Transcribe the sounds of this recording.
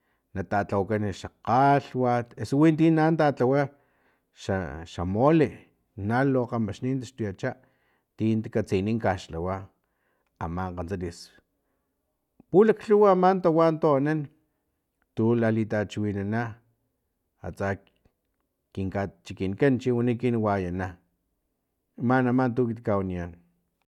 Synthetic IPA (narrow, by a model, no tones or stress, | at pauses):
nat̪at͡ɬawakanʃaqaɬwat̪esowint̪̬iːnant̪at͡ɬawa | ʃaʃamoli | naloqamaʃniːnt̪̬aʃt̪ujat͡ʃaʔ | t̪int̪ikat͡siniŋkaʃlawa | a̰maɴqant͡salis | pulakɬuwaamaːnt̪awant̪onan | t̪ulalit̪at͡ʃiwinana | a̰t͡sa | kiŋkat͡ʃikinkant͡ʃiwanikinwajana | manamant̪̬ukit̪kawanian